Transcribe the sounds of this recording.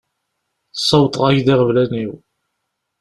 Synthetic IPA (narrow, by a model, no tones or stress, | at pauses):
sˤːɑwt̪ˤʁæʝðiʁəvlæniw